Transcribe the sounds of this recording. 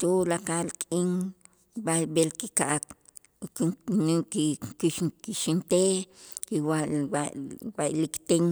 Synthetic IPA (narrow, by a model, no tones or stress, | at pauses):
t̪ulakalkʼiŋ | babelkikaʔak̪ | knikikikiʃint̪ekiwawawaʔlikt̪eŋ